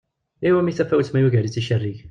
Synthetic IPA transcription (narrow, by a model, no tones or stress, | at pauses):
iwæmiθæfæwt͡smæjuʝæɾit͡sːiʃərːiʝ